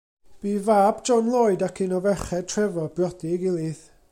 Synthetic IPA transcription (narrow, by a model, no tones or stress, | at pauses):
b̥iːvaːbd͡ʒɔnlˠoːɨdakʰɨnɔvɛχɛd̚tʰrɛvɔbjɔdɪɡɪlˠiθ